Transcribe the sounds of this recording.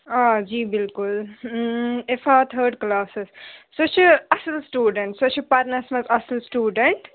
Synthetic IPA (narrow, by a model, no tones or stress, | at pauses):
aːd͡ʒiːbɪlkʊl | efaːt̪ʰəːɾɖklaːsɪssoːt͡ʃʰiɐsɪlsʈjuːɖəɳʈsoːt͡ʃʰipaɾnɐsmɐzɐsəlsʈjuːɖəɳʈ